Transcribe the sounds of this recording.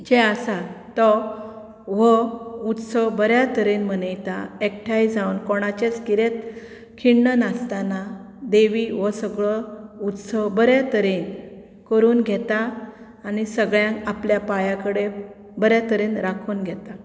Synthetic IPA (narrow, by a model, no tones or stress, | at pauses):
d͡ʑeasat̪ɔ | ʋəut̪səbəɾjat̪əɾenmənəjt̪a̰ek̚ʈʰajd͡zaunkɔɽ̃at͡ɕet͡skiɾet̪ | kʰiɳːənast̪ana | d̪eʋiʋəsəɡɭɔut̪səbəɾjat̪əɾen | kəɾuːnɡʱɛt̪aː | nisəɡɭjãkapljapajãkəɽe | bəɾjat̪əɾenɾakʰuːnɡʱɛt̪a